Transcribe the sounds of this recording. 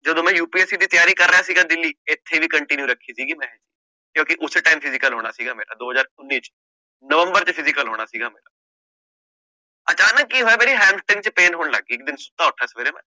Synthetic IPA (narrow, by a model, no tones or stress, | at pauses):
d͡ʒəd̪õːmɛ̃ːjuːpiːɛːsiːd̪iːt̪jaːɾiːkəɾːəjaːsiːɡaːd̪ɪlːiːɪt̪ʰːeːʋiːkəɳʈɪnjuːɾəkʰːiːsiːɡiːmɛ̃ːɦɛd͡ʒiː | kjõːkɪʔʊsʈaːɪmpʰɪzɪkəlɦoːɽ̃aːsiːɡaːmḛːɾa̰ːd̪oːɦəzaːɾʊnːiːt͡ʃ | nəʋə̃mbəɾt͡ʃəpʰɪzɪkəlɦoːɽ̃aːsiːɡaːmḛːɾa̰ː | ət͡ʃaːnəkːiːɦoːaːmeːɾiːɦɛ̃ːmsʈɪ̃ŋɡ̚t͡ʃəpeːnɦoːɳlə̰ɡːiːɪk̚d̪ɪnsʊt̪ːaːʊʈʰːaːsʋeːɾeːmɛ̰̃ː